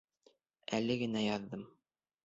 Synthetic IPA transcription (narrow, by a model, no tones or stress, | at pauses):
ælɘɡɘ̆næjɑðːɤm